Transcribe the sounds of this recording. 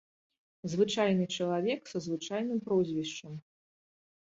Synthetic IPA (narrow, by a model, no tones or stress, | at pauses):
zvɨt͡ʂajnɨt͡ʂɐlˠavʲɛksɐzvɨt͡ʂajnɨmpɾɔzʲvʲiʂt͡ʂɐm